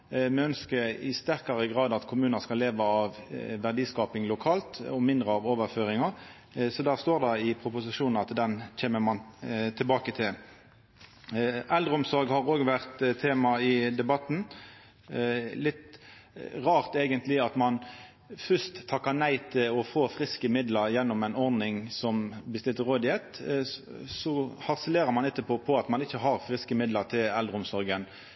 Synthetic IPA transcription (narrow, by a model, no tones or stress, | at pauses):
mɛœnskəɾɪ̰st̪æʁkɑʁəɡʁɑːd̪ɑt̪kʰʊmʉːnɑskɑleːʋəɑʋʋæʁd̪iːskɑːpɪŋlʊkʰɑːlt̪ɔmɪnd̪ʁəɑʋoːʋəʁføːʁɪŋɑʁ | sɔd̪æːʁst̪oːʁd̪ɑɪpʰʁʊpʊsɪʂuːnn̩ɑt̪d̪ɛnc͡çeːməmɑnt̪ʰɪlbɑːkət̪ʰɪl | ʔɛld̪ʁəʊmsɔɾɡhɑʁoːɡʋæʁt̪t̪ʰːeːmɑɪd̪ɛbɑt̪ːn̩ | lɪt̪ | ʁɑːʁt̪eːɡənt̪lɪɑt̪mɑn | fœst̪ʰːɑkːɑʁnæɪt̪ʰɪlɔfoːfʁɪskəmɪd̪ləɾjɛnːɔmɛɪnɔʁnɪŋsɔmbəst̪ɪlt̪əʁoːd̪ɪɛt̪ | sɔhɑʁsəleːɾəmɑnɛt̪ːəpʰoːpʰɔɑt̪mɑnɪçːəɦɑʁfʁɪskəmɪd̪ləʁt̪ʰɪlɛld̪ʁəʊmsɔɾɡən